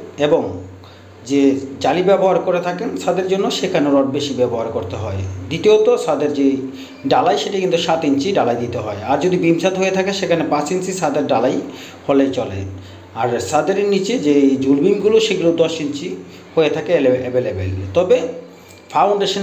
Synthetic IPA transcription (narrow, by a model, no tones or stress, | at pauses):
eboŋ | d͡ʑed͡ʑalibɛboɦaɾkoɾet̪ʰakenʃad̪eɾd͡ʑonːoʃekʰaneoɾɔʈ̚beʃibɛboɦaɾkoɾt̪eɦɔ̰ed̪it̪eot̪osad̪eɾd͡ʑe | ɖalajʃeʈaikint̪uʃat̪iɲt͡ɕiɖalajd̪it̪eɦɔeaɾd͡ʑod̪ibimsat̪ɦojet̪ʰakeʃekʰanepãsinsisad̪eɾɖalaj | holejt͡ɕɔlḛ | aɾsad̪eɾnit͡ɕed͡ʑed͡ʑulbimɡuloʃeɡulod̪ɔʃint͡ɕi | hojet̪ʰakeleebelebḛlt̪ɔbe | fʰawɳɖeʃan